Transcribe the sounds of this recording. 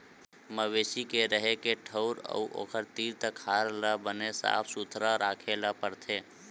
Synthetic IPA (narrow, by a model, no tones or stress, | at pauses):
məwesikeɾəɦekeʈʰəʊɾə̰uʔo̰ːkʰəɾt̪iːɾt̪əkʰːaːɾlabənesa̰ːpʰsut̪ʰɾaɾaːkʰelapəɾt̪ʰe